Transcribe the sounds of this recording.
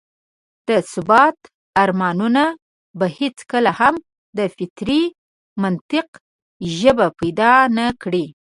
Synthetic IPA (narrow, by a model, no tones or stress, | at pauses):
d̪̥əsʊbɑt̪ | aɾmɑnuna | bahet͡skəlaham | d̪əfɪt̪ɾi | mant̪ɪq | ʒəbapajd̪ɑnakɽi